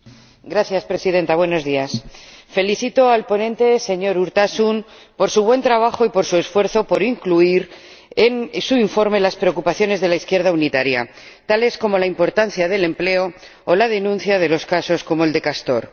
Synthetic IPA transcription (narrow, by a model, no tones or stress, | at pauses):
ɡɾaθjaspɾe̞sið̞ẽ̞nt̪aβwe̞no̞zðiasfe̞liθit̪o̞alpo̞nẽ̞nt̪e̞se̞ɲo̞ɾuɾt̪asum | po̞ɾsuβ̞we̞nt̪ɾaβ̞axo̞ipo̞ɾsue̞sfwe̞ɾθo̞po̞ɾiŋkluiɾ | e̞nsuiɱfo̞ɾme̞laspɾeokupaθjo̞ne̞zðe̞laiθkje̞ɾð̞aunit̪aɾja̰ | t̪ale̞sko̞mo̞laimpo̞ɾt̪anθjaðe̞le̞mple̞o̞ː | lað̞e̞nũn̟θjað̞e̞lo̞skaso̞sko̞mo̞eld̪e̞kast̪o̞ɾ